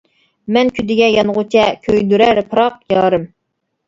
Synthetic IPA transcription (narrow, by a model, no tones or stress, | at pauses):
mɛnkʲʰyd̪ɪɡʲɛjɑnʁʊt͡ʃʰɛkʲʰøjd̪yɾɛɾɨpʰɾɑq̚jɑːɾɨm